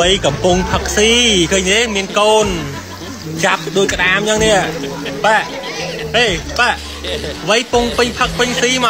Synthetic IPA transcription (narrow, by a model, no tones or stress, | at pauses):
əjkɑmpuŋpʰək̚siːkʰəːɲteːmiənkoːn | t͡ɕap̚ɗoəc̚kə̆ɗaːmt͡ɕəŋniə | paʔ | ʔeːpaʔ | ʋəjpuŋpɨɲpʰək̚pɨɲsiːma